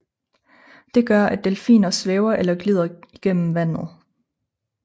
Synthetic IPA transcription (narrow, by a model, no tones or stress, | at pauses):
d̥e̝ɡ̥ɶɐʔæd̥elfḭːnɐsʋeʊɐʔelɐɡ̥lið̞̰ˠɐi̥ɡ̥en̰m̩ʋæn̰ð̩ˠ